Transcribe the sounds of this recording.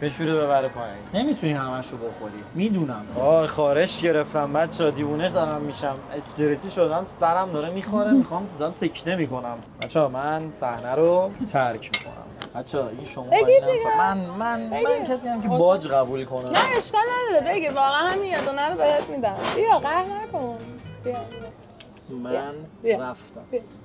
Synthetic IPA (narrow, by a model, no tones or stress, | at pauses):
b̥eʃuɾibeβæɾepʰɒːjæ̰nne̞mit̪ʰunihæmæʃoboxoɾimiːd̪uːnæmɒːχɒːɾe̞ʃɟe̞ɾeft̪æmbæt̪t͡ʃʰːɒd̪iːvuːneʃd̪ɒɾæmːiʃæmest̪ʰeɾet̪ʰiːʃod̪ænsæɾæmd̪ɒːɾemixoɾemixɒmæmsecʰnemiːko̞næm | æt̪t͡ʃʰːɒːmænsæhnæɾot̪ʰæɾcʰmiːkʰo̰næ̰mb̥æt̪t͡ʃʰːɛeɡʃomeɡid̪imænmænmænkʰæsiːjæmkʰebɒd͡ʒɣæbuːlkʰonenæeʃkɒlnæd̪ɒːɾebeɡivɒːɣænhæmiæzonæɾobejet̪mid̪æbijɑɣæɾnækʰonb̥ijaie | mænbæft̪æmb